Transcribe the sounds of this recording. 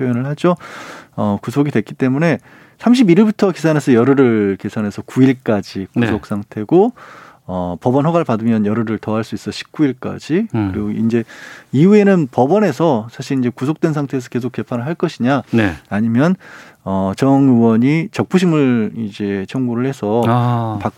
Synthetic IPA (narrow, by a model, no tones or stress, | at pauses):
jojʌnɯɭhad͡ʑoʌkusʰoɡidwe̞k͈it͈e̞mune̞ | sʰamɕ̬ʰibiɾiɭbutʰʌkisʰanɦe̞sʰʌjʌɾɯɾɯɭke̞sʰanɦe̞sʰʌkuiɭk͈ad͡ʑikusʰok̚s͈aŋtʰe̞ɡo | ʌpʌbʌnɦwʌɡaɭpadɯmjʌnjʌɾɯɾɯɭtʌɦaɭs͈uis͈ʌɕʰi̥p̚k͈uiɭk͈a̰d͡ʑikɯɾiɡoind͡ʑe̞iue̞nɯnpʌbʌne̞sʰʌsʰaɕʰiɾind͡ʑe̞kus̬ʰok̚twe̞nsʰaŋtʰeːs̬ʰʌkes̬ʰok͈̚e̞pʰanɯɭɦaɭk͈ʌɕʰiɲanaɲimjʌn | ʌt͡ɕʌŋɯwʌɲit͡ɕʌk̚p͈uɕ̬ʰimɯɭid͡ʑe̞t͡ɕʰʌŋɡuɾɯɭhe̞sʰʌpak̚